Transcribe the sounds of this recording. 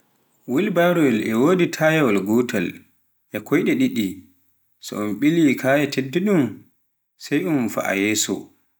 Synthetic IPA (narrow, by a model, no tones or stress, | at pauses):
wilbaɾɔwɛlʔɛwoːditʰajɛwalɡɔtʰal | ʔɛkʰɔjɗɛɗiɗi | sɔ̰ɔnɓilikʰaːjɛtʰedːɛɗum | sɛjʔumfa̰ʔa̰jɛːsɔ̰